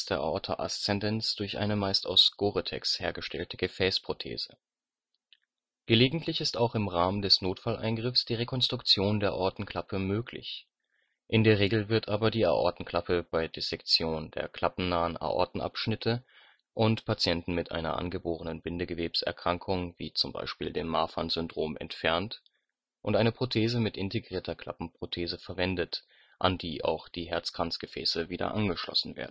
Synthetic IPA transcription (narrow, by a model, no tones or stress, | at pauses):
sd̥eːɐʔa̰ʔɔɐtʰɐʔa̰st͡sɛndɛnt͡sd̥ʊɐçʔa̰ɪnəmaɪsta̰ʊsɡ̥oːʁitʰɛ̰ksheːɐɡəʃtɛltəɡ̥əfɛːspʁ̥otʰḛːz̥ə | ɡ̥əleːɡŋ̩tʰlɪçɪstaʊxɪmʁaːməndɛsnoːtfalʔa̰ɪnɡʁɪfsd̥iːʁekʰɔnstʁ̥ʊkt͡sjoːndeːɐʔɔɐtn̩kʰl̥apʰəmøːklɪ̰ç | ʔɪndeːɐʁ̞eːɡl̩vɪɐtʰʔaːbɐdiːa̰ʔɔ̰ɐtn̩kʰl̥apʰəb̥aɪdesɛkt͡sjoːndḛːɐkl̥apm̩naːəna̰ʔɔ̰ɐtn̩ʔa̰pʃnɪtʰə | ʔʊntpʰat͡sjɛntn̩mɪtʔa̰ɪnɐ̰ʔa̰nɡəboːʁənənbɪndəɡəveːpsɛ̰ɐkʁ̥aŋkʰʊŋvḭːt͡sʊmba̰ɪʃpiːldeːmːaːfanzʏndʁoːmʔɛ̰ntfɛɐnt | ʔʊntʔaɪnəpʁ̥otʰeːzəmɪtʔɪntʰeɡʁiːɐtʰɐkʰl̥a̰pm̩pʁ̥otʰeːzəfɛɐvɛndət | ʔa̰ndiːʔa̰ʊxd̥iːɦɛɐt͡skʁ̥ant͡sɡ̥əfɛ̰ːsəviːdɐ̰ʔanɡəʃlɔ̰sn̩vḛːɐdn̩